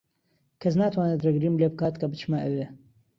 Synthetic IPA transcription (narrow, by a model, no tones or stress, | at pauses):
kʰɐs̬naːt̪ʰwaːnet̪rɐɡɾimlebɨkaːt̪kɐbɨt͡ʃmaʔɐwe